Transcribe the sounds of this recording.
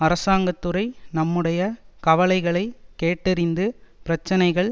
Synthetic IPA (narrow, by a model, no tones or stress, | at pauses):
ɐɾɐsaːŋɡɐt̪ːɯɾɐɪnɐmːɯɽɐjɐkɐʋɐlɐɪɣɐɭɐɪkeːʈːɪɾɪnd̪ɯpɪɾɐt͡ʃːɐnɐɪɣɐɭ